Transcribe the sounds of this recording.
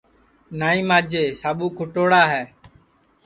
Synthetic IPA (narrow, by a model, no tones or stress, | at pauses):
naːĩːmaːd͡ʒeːsaːɓuːkʰʊʈoːɽaːɦɛː